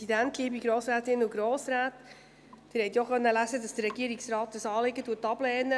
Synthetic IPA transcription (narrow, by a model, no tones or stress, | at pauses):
idæntliːbiɡɾoːsɾæːt̪ɪnːʊɡ̥ɾoːsɾæːt | d̥ɪɾhɛɪt̪joχœnːəlæzədɑsd̥əɾːɛɡiəɾiksɾɑːt̪̚d̥ɑsɑːlɪɡətuːətːɑb̥lɛːnə